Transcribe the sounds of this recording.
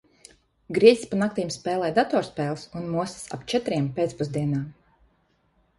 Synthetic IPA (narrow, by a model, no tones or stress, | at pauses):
ɡɾiɛzʲspanak̚t̪iːmspʲɛːlˠɛːjd̪at̪ɔːɾspɛːlˠsunmuɔssa̰pt͡ʃɛt̪ɾiɛmpet̪spuzd̪iɛnaːm